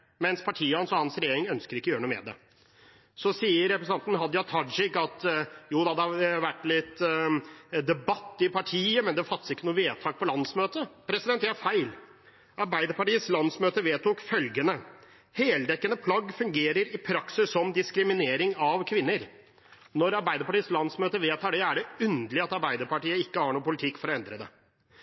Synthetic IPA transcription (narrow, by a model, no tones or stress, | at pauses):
mɛnspʰɑʈʰiːəhɑnsɔhɑnsɾɛjeːɾɪŋœnskəɾɪkːɔjøːɾɳuːmɛ̰ːd̪ɛ̰ | sɔsiːəɾːɛpɾəsɑnt̪n̩ɦɑd̪jɑt̪ʰɑd͡ʒɪkːɑt̪juːd̪ɛɑd̪əʋæʈːlɪt̪ː | d̪ɛbɑt̪ːɪpʰɑʈʰiːəmɛnd̪ɛfɑt̪ːsɪkːənuːəʋeːt̪ʰɑːk̚pʰɔlɑnsmøːt̪əpʰɾɛsɪd̪ɛnt̪jææfæɪl | ɑɾbæɪd̪əɾpɑʈiːəslɑnsmøːt̪əʋeːt̪ukfœlɡənə | heːld̪ɛkːənəpʰlɑɡːfʉŋɡeːɾəɾɪpʰɾɑksɪsːɔmd̪ɪskɾɪmɪneːɾɪŋɑʋkʰʋɪnːəɾ | nɔɾɑɾbæɪd̪əpɑʈiːəslɑnsmøːt̪əʋeːt̪ʰɑːɖɛæɖɛʉnd̪lɪɑt̪ɑɾbæɪd̪əɾpɑʈiːəɪkːəhɑːɳuːpʊlɪt̪ʰɪkːfɔɾɔɛnd̪ɾəd̪ɛ̰